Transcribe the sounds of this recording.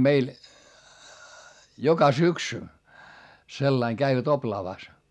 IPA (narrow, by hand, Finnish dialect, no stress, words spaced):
meil jokɑ syksy selːɑiŋ kæiʋæt oplɑːʋɑˑs